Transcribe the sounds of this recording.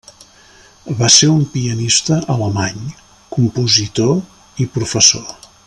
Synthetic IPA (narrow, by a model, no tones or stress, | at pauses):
βaseɾumpiənist̪əʔələmaɲ | kumpuzit̪o | ipɾufəso